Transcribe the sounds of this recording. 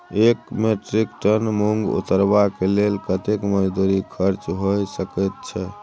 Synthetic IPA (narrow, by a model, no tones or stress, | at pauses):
ekmeʈɾikʈənmuŋɡṵt̪əɾbakelelkət̪ekməd͡ʒd̪uɾikʰəɾt͡ʃɦojsəkət̪̚t͡ʃʰɛ